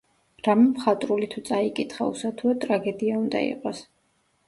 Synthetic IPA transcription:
ɾamɛmχat̪ʼɾulit̪ʰut̪sʼaikʼit̪ʰχa̰ṵsat̪ʰuat̪ʼɾaɡɛd̪iaund̪a̰ḭqʼɔs

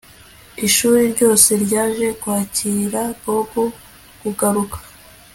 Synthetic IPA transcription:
iʃuːɾiɾɟo̞ːse̞ɾɟaːʒe̞kwaːciɾaɡoɡo | ɡ̥uɡaɾukḁ

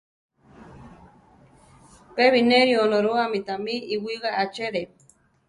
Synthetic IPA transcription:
peβineɾionoɾoamit̪amiiwiɣaʔat͡ʃeɾe

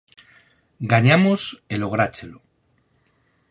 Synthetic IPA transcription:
ɡaɲamoselo̞ɣ̞ɾat͡ʃelo

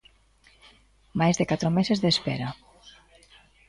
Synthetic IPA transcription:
majzðekat̪ɾomesezðespeɾa

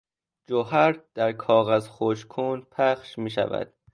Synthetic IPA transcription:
d͡ʒoɦæɾd̪̥æɾkʰɒːɣæzxoʃkʰuːnpʰæxʃmiːʃæ̰væ̰d̪̥

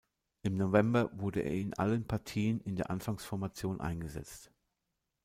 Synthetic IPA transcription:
ʔɪmnovɛmbɐvʊɐdəʔḛːɐɪnʔa̰lənpʰaɐtʰiːənɪndeːɐʔanfaŋsfɔɐmat͡sjoːnʔa̰ɪnɡəzɛ̰t͡st

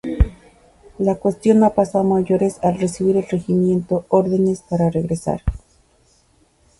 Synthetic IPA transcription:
lakwest̪jo̞napasaomaʝoɾesalresiβiɾelre̞ximje̞nt̪ooɾðene̞spaɾareɣɾesa̰ɾ

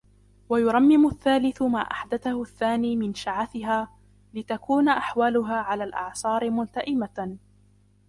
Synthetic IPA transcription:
wajʊɾˤɑmːɪmʊʔθːaːlɪθʊma̰ːʔa̰ħd̪aθahʊθːaːniːmɪnʃaʕaθɪɦaː | lɪt̪akuːnaʔaħwaːlʊɦaːʕalaːlʔɑ̰ʕsˤɑːɾɪmʊnt̪aʔɪma

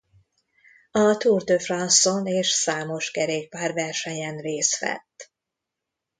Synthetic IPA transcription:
ɒt̪uːrd̪øfrɒnsoneːʃsaːmo̞ʃkɛɾeːk̚paːrvɛrʃɛɲɛnɾeːsfɛ̰t̪ː

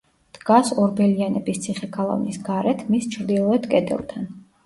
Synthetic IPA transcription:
d̪̥ɡasɔɾbɛlianɛbist̪sʰiχɛkʰalˠa̰vnisɡaɾɛt̪ʰmist͡ʃʰɾd̪ilˠɔɛt̪ʰkʼɛd̪ɛ̰lˠt̪ʰan

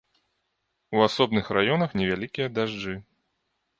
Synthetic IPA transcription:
uasɔbnɨxrajɔnɐxnʲɛvʲalʲikʲijɐd̪aʐd͡ʐɨ

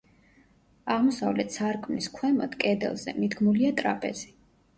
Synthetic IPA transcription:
aʁmɔsavlɛt̪saɾkʼmniskʰwɛma̰t̪kʼɛd̪ɛ̰lˠzɛ̰mid̪ɡmuliat̪ʼɾapʼɛ̰z̥i̥

